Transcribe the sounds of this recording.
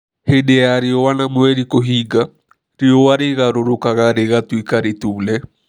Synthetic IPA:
hedeaɾeɔwanamwɛɾikoɦiɡa | ɾeowaɾeɣaɾoɾokaɣaɾeɣatwikaɾetuːlɛ

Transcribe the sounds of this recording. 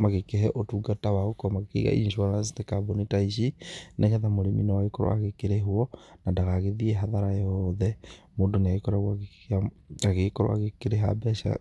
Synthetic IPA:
maɣekeɦɛʔotuːɡatawaɣokɔmakekiɣa̰ʔḭnʃwaasitekabonitaiʃineʃaðamoɾeminɔwaɣekoɾw̰a̰ɣekeɾeɦuɔnandaɣaɣeðiɛɦaðaɾajɔðɛ | moːndoneaɣekoɾawa | a | aɣekɔɾow̰a̰ɣekeɾeɦa̰bɛʃa̰

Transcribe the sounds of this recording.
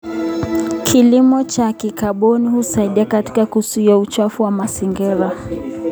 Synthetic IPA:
kʰilimɔt͡ʃakikaɓɔnihusaiɗiakati̥kakusuiaut͡ʃafuwamasiŋɡɛɾa

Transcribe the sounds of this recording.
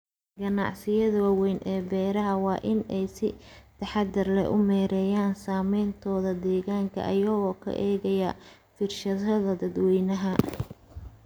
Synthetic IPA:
ɡɐnɑ̰ʕsɪjɐðɐwɑːwɛjnʔɛːbɛːɾɐɦɐwɑːʔɪnɛjsɪt̪ʰɐħɑd̪ɪrlɛ̰ʔʊmɛːɾɛːjaːnsaːmɛjnt̪ʰɔːðɐd̪ɛːɣaːŋkʰɐ̰ʔɐ̰jɐɣɔːkʰɐ̰ʔɛːɣɐjɐ | fɪrʃɐðɐðɐd̪ɐd̪wɛjnɐɦɐ

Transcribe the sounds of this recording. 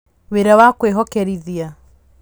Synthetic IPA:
weɾawakweɦɔkɛɾiðia

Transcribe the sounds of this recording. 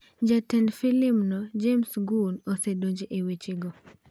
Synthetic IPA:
d͡ʒatɛnfilɪmnɔd͡ʒemsɡunosedoɲd͡ʒeʔewet͡ʃiɡɔ

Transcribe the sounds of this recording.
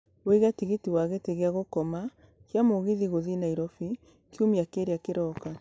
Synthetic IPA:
weɣatiɣitiwaɣeteɣeaɣokɔma | kjamoɣiðiɣoðinaiɾɔfi | kjumiakeɾeakeɾɔka

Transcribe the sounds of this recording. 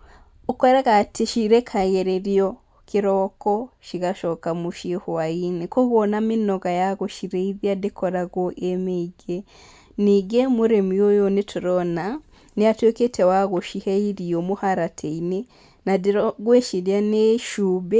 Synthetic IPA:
ukoɾeɣatʰiʃiɾekʰaɣeɾeɾijo | kiɾokoʃiɣaʃokamuʃihuwainikoɣonaminoɡajaɣoʃiɾeiβjadikʰoɾaɡoʔemeiɡe | niɡemuɾemujojonitʰuɾona | nijatweketʰewaɣoʃiheiɾiomuhaɾatʰeine | nadiɾoɡweʃiɾjaneʃuːbe

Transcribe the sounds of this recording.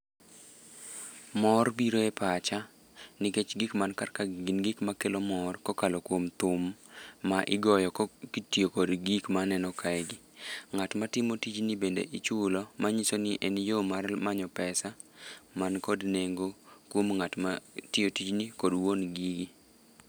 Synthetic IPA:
mɔrbiɾoepat͡ʃa | nɪket͡ʃɡikmankarkaɡɪnɡikmakelomɔrkɔkalokwomt̪ʊmːaʔɪɡɔjɔkkitjokodɡikmanɛnɔkʰaɛɡɪŋatmatɪmotid͡ʒnibendḛʔɪt͡ʃʊlɔmaɲisonɪʔɛnjomarmaɲɔpɛsa | mankɔdneŋɡokwomŋatmatɪotid͡ʒnikodwonɡiɡi

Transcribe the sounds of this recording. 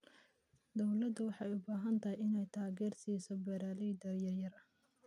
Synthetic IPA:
d̪ɔwlɐd̪ɐwɑħɑjʊbaːɦɐnt̪ʰɐɦɛjɪnɛjt̪ʰaːɣɛːrsiːsɔbɛɾaːlid̪ɐjɐjɐɾɐ

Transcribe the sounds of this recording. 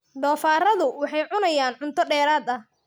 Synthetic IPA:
ɖ̪ɔːfaːrɐðʊwɑħɑjʕʊnɐjaːnʕʊnt̪ʰɔɖɛːɾaːd̪ɐh

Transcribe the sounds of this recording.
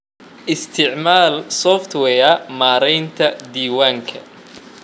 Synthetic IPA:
ʔɪst̪ʰɪʕmaːlsɔft̪ʰwɛːɐmaːɾɛjnt̪ʰɐd̪iːwaːŋkʰɐ̰

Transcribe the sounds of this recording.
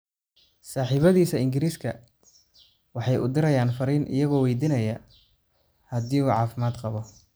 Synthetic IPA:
saːħiːβɐðiːsɐɪŋɡɪɾiːskʰɐ | wɑħɑjʔʊ̰d̪ɪɾɐjaːnfɐɾiːnʔɪ̰jɐɣɔːwɛjd̪iːnɐjɐ | hɐd̪iːuːʕɑːfɪmaːd̪qɑβɔ

